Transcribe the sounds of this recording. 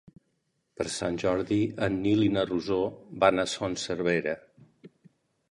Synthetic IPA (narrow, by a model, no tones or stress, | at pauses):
pəɾsanʲʒɔɾðiənːilinəruzobanasɔnsəɾβeɾə